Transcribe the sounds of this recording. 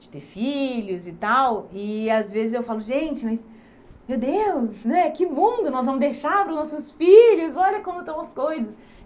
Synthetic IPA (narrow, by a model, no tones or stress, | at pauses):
d͡ʒɪ̥t̪eɾfiʎʊzɪt̪awɪazvezɪzewfalʊʒẽt͡ʃɪmɐjs | mewd̪ewsnɛkɪmũd̪ʊnɔzvɐ̃mʊzd̪ejʃaɾpɾʊznɔsʊsfiʎʊsɔʎɐkõmʊt̪ɐ̃w̃ɐskojzɐs